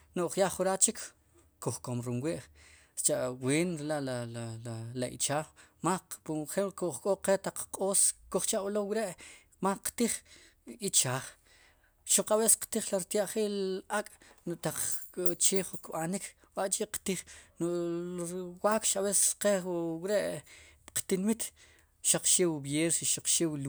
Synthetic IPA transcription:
nuʔχjaχuɾat͡ʃikʰ | kuχkomɾunwiʔ | t͡ʃaʔweːnɾilaʔlalaalaḭt͡ʃaːχmapuχemkuʔχkʼoqet̪aq͡χqʼoːskuχt͡ʃaʔulowiɾeʔ | maqt̪iχ | it͡ʃaːχ | ʃuq͡χaɓese̥qt̪iχlaɾt̪jaʔχiːlakʼnuʔt̪aq͡χt͡ʃeːχukɓanik | waʔt͡ʃʼiqt̪iχnu | waːkʃaβese̥qewiɾeʔqt̪inmit̪ | ʃaq͡χʃeːwbjeːɾsiʃaq͡χʃeːwl

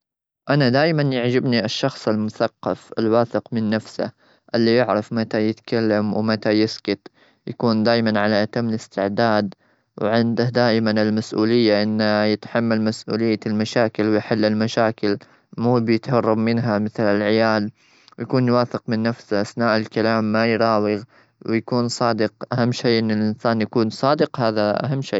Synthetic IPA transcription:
ʔanad̪aːjmanjaʕd͡ʒɪbniʔɪʃːɑxsˤɪlmʊθɑqːɑ̰fɪ̰lwaːθɪqmɪnːafsa̰ | ʔɪlːijɪʕɾɑfmat̪ajɪt̪kalːamwmat̪ajɪskɪt̪ | jakuːnd̪aːjmanʕalaʔat̪amːɪlɪst̪ɪʕd̪aːd̪ | wʕɪnd̪ad̪aːʔmanɪlmasʔṵːlɪjːaʔɪnːajɪt̪ħamːalmasʔṵːlɪjːalmaʃaːkɪlwjħɪlːɪlmaʃaːkɪl | muːbjɪt̪hɑrˤːɑbmɪnɦamɪθlɪlʕɪjaːl | wjakuːnjwaːfɪqmɪnːafsaʔaθnaːʔɪlkalaːmːajɾˤɑːwiɣ | wjakuːnsˤɑːd̪ɪqʔaɦamːʃeːʔɪnːɪlʔɪnsaːnjakuːnsˤɑːd̪ɪqhaːðaʔa̰ɦamːʃiː

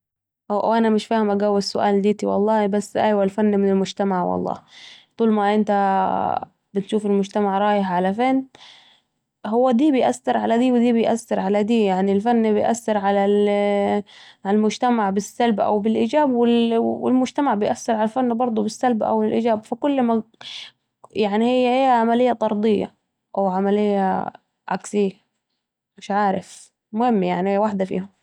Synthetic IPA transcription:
ʔʔʔanamɪʃfaːhɪmʔaɡawːɪsʊʔa̰ːld̪iːt̪iwɑ̰lˤːɑːhbasːʔajwalfanːmɪnɪlmʊd͡ʒt̪amaʕwɑ̰lˤːɑ̰ːt̪ˤuːlmaʔɪnt̪a | bɪt̪ʃuːfɪlmʊd͡ʒt̪amaʕɾˤɑːjɪħʕalafeːn | hʊwːad̪iːbɪjʔasːɪɾʕalad̪iːwɪd̪iːbɪjʔa̰sːɪɾʕalad̪iːjaʕnilfanːbɪjʔa̰sːɪɾʕala | ʕalmʊd͡ʒt̪amaʕbɪsːalbʔa̰wbɪlʔiːd͡ʒaːbwɪlwɪ̰lmʊd͡ʒt̪amaʕbɪjʔasːɪɾʕalalfanːbɑɾˤd̪ˤubɪsːalbaʔa̰wɪlʔɪ̰ːd͡ʒaːbfakʊlːma | jaʕnihɪjːaʔːʕamalɪjːat̪ˤɑɾˤd̪ˤɪjːa̰ | ʔawʕamalɪjːa̰ | ʕa̰ksɪjːa | mɪʃʕaːɾɪf | mʊhɪmːjaʕnihjːwaħd̪afḭːhʊm

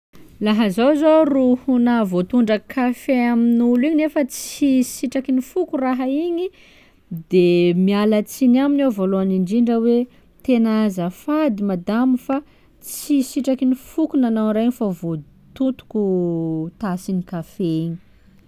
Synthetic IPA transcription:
laɦəzozoruhunəvot̪uɳɖ͡ʐəkʰafeaminuliɲinefət͡sisiʈ͡ʂakinifukuraɦaiɲi | d̪emialat͡sinaminevoloaniɳɖ͡ʐiɳɖ͡ʐəwe | t̪enazəfad̪imad̪amifa | t͡sisiʈ͡ʂakinifukunanawɾaiɲifavo | t̪unt̪u̥kut̪asinikafeiɲi̥

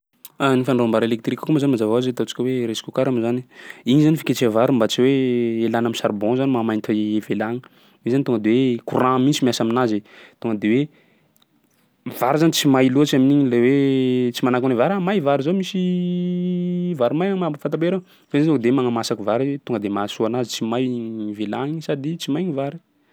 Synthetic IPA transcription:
anifanrambaɾelek̚t̪rikːkumazanimazavaazet̪ot͡si̥kʲəweɾesi̥kukaɾamizaniiɲizanifi̥ket͡ʃevaɾumbat͡siweelanamisaɾbɔ̃zanimamajnt̪ʰaevelaŋə | izanit̪oŋɡəd̪ewekurãmint͡simiasaminazet̪oŋɡəd̪ewe | v̥aɾzanit͡simajluat͡ʃiaminiɲilewet͡simanakunivaɾamajvaɾizomisi | vaɾimajaŋmabfant̪abeɾe | veait̪uŋɡəd̪ewemaŋamasakuvaɾit̪uŋɡəd̪emasuanazit͡simajivelaŋisad̪it͡simajɲivaɾi

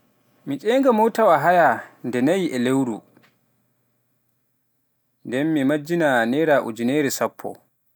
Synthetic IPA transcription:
mit͡ʃʼɛːŋɡamɔwtawaɦajandɛnajiʔɛlewɾṵ | ndɛnːimad͡ʒːinanɛɾaʔṵd͡ʒuneɾɛsapʰːɔ̰

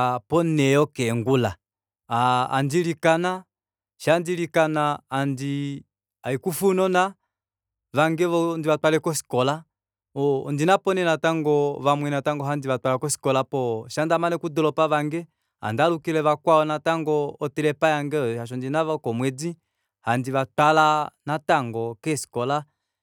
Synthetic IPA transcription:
pɔnɛɔkɛŋɡula | a̰ːndilikana | ʃandilikanaːndi | aikufunɔna | βaŋɡɛɔndiβatwalɛkɔsi̥kɔla | ɔndinapɔnɛnataŋɡɔβamwɛnataŋɡɔɦandiβatwalakɔsi̥kɔlapɔʃandamanɛkudɔlɔpaβaŋɡɛ | a̰ndalukilɛβakwaɔnataŋɡɔːtɛlɛpajaŋɡɛɔaʃ̬ɔndinaβakɔmwɛd͡zi | handiβatwalanataŋɡɔkɛsi̥kɔla

